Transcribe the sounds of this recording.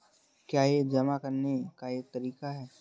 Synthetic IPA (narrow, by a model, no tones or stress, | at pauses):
kjaːjed͡ʒɐmakɐɾnekajet̪ɐɾiːkaɦɛː